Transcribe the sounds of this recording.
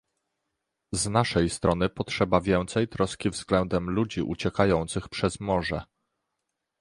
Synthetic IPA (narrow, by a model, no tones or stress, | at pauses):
znaʂɛjst̪ɾɔnɘpɔtʂɛbavʲjɛnt̪sɛjt̪ɾɔskʲivzɡlɛnd̪ɛmlud͡ʑiʔṵt͡ɕɛkajɔnt̪sɘxpʂɛzmɔʐɛ